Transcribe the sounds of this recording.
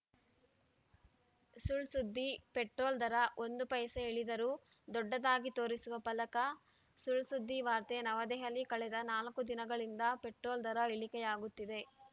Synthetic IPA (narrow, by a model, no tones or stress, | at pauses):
suɭsud̪ːipeʈɾoːld̪ɐɾɐʔo̞nd̪upɐjɐsɐeɭid̪ɐɾuː | d̪ɔɖːɐd̪aːɡit̪o̞ːɾisuʋɐpɐlɐkɐ | suɭsud̪ːiʋaːɾt̪enɐʋɐd̪ɛɦɐlːikɐɭɛd̪ɐnaːlkud̪inɐɡɐɭind̪ɐpe̞ʈɾoːld̪ɐɾɐeɭikɛjaːɡut̪ːid̪e̞